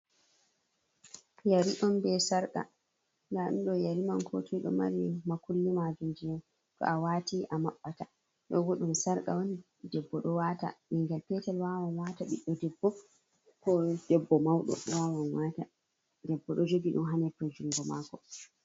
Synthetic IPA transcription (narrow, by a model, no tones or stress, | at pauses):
jaɾiʔɔnbɛsaɾka̰ | ŋɡaɗunɗɔjaɾimankʰotuiɗɔ̰ma̰ɾimakulːimad͡ʒund͡ʒian | tɔ̰awatiʔamaɓːata | ɗɔ̰ɡoɗumsaɾka̰wɔn | dɛbːɔɗɔwata̰ɓiŋɡɛlpɛtɛlwawanwaːtaɓiɗːɔdɛbːɔ | kɔd̥ɛbːɔmawɗɔ̰wawanwaːta | dɛbːɔɗɔd͡ʒoɡiɗṵnɦanɛpɾɔd͡ʒuŋɡɔmaːkɔ